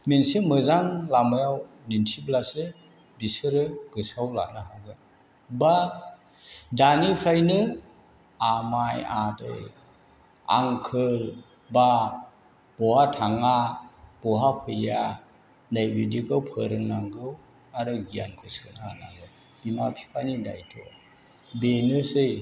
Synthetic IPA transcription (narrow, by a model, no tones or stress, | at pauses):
mensimɯzaŋlamajaw | nintʰiblase | bisɯɾɯɡ̥ɯsawla̰nɯɦaɡɯ | ba | danipʰɾajnɯ | amajadɯ̰j | a̰ŋkʰɯl | ba | b̥ɔwatʰaŋab̥ɔɦapʰɯja | dajbidikʰɯwpʰɯɾɯŋnaŋɡɯw | aɾɯɡijankʰɯsɯnaala̰ɡɯ | bimapʰi̥pʰanida̰jtʰɔ̰ | benɯsɯj